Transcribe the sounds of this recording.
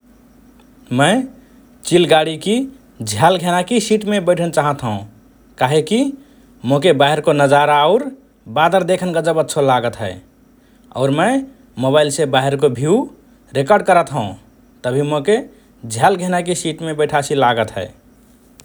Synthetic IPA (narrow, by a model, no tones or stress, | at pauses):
mə̃ɪ | t͡ʃilɡaɽiki | d͡ʒʱjalɡʱenakisiʈmebəɪʈʰənt͡ʃaɦət̪ɦəũ | kaɦeki | mokebaɦeɾkonəd͡ʒaɾaɔʊɾ | bad̪əɾd̪ekʰənɡəd͡ʒəbətːʃʰolaɡət̪ɦɛe | ɔ̰ʊɾmə | moβailsebaɦeɾkobʱiu | ɾekəɾɖ̚kəɾət̪ɦə̃ | t̪əbʱimoke | d͡ʒʱjalɡʱenakisiʈmebəɪʈʰasilaɡət̪ɦɛ̰ɪ